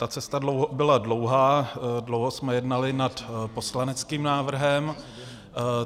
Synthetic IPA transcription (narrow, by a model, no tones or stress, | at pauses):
t̪at͡sɛst̪adlowɦobɪladlo̞wɦaːdlowɦosmɛjɛdnalɪnat̪po̞slanɛt͡skiːmnaːvr̩ɦɛm